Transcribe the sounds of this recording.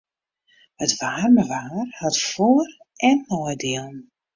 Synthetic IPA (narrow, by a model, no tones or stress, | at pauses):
hətʋaːrməʋaːrhatfoər | ʔɛnːɔjdiəlˠn